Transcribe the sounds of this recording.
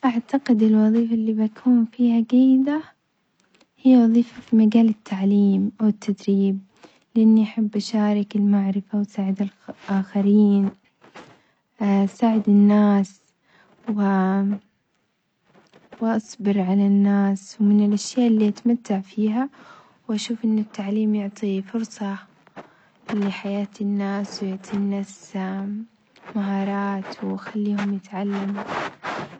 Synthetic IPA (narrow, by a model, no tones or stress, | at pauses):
ʔaʕt̪aqɪd̪ɪlwɑðˤiːfaʔlːiːbakʰuːnfiːhaɡajːɪd̪a | hɪjːawɑðˤiːfafimaɡaːlɪt̪ʰːaʕliːmʔawɪt̪ʰːad̪ɾiːb̚ | lɪʔanːiʔaħɪbːʔaʃaːɾˤɑkɪlmaʕɾɪfawsaːʕɪd̪alʔaːxaɾiːn | saːʕɪd̪ɪnːaːs | wɪ | wʔɑsˤbɪɾʕalanːaːswmɪnɪlʔaʃjaːʔɪlːiːʔat̪mat̪ːaʕfiːɦa | wʔaʃuːfʔɪnːɪt̪ːaʕliːmjʊʕt̪ˤifʊɾsˤɑ | lɪħajaːt̪ɪnːaːswjʊʕt̪ˤʰinːas | maɦɑːɾˤɑːt̪wxalːiːhʊmjɪt̪ʕalːam